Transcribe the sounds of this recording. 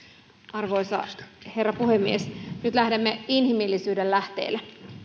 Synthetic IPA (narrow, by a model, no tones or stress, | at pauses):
ɑrʋo̞jsɑ̰he̞rːɑpuhemːiesnyt̪læhdemːeinhimilːisyːdellæht̪ḛːlːe